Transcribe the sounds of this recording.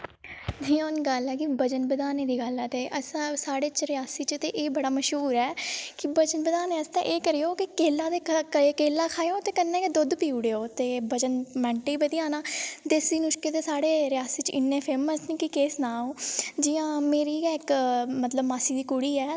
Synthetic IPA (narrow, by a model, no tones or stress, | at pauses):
d̪ʱiːoːnɡəlɛːkibəd͡ʒənbəd̪aːneːd̪iːɡəlɛːt̪eːʔəsãːsaːɽeːt͡ʃɾɪjaːsiːt͡ʃt̪eːʔeːbəɽaːməʃɦuːɾɛːkɪbəd͡ʒənbəd̪aːneːəst̪ḛ̃ːʔeːkəɾijoːkɪkeːlaːd̪eːkeːlːaːkʰaːjõːt̪eːkənːɛ̃ːked̪ʊd̪piːʊɽeːoːt̪eːbəd͡ʒənmɛ̃ːɳʈeiːbəd̪ijãːnaːd̪eːsiːnʊʃkeːt̪eːsaːɽeːɾɪjaːsiːt͡ʃɪnːẽːpʰeːməsniːkɪkeːsnaːoːd͡ʒɪjãːmeːɾiːɪkmət̪ləbmaːsiːd̪iːkʊɽiːɛː